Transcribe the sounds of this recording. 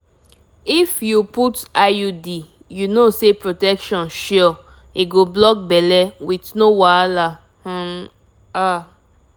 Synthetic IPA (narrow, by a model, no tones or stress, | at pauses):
ifjuputajudi | junosepɹotɛkʃɔ̃nʃɔ | iɡoblɔk̚bɛlɛwitnowala | hã | a